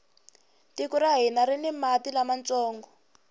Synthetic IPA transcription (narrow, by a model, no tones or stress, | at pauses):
tikuɾaɦinaɾinimatilamant͡sɔːŋɡɔ